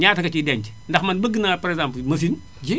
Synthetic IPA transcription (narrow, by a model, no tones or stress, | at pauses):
ɲaːtɐkɐt͡ʃidɛɲt͡ʃ | ndɐxmɐnbəɡɨnaːpɐɾɛzãmplmɐfin | ɟi